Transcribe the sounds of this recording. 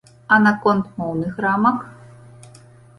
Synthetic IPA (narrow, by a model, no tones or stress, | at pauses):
anakɔnt̪mownɨxramɐk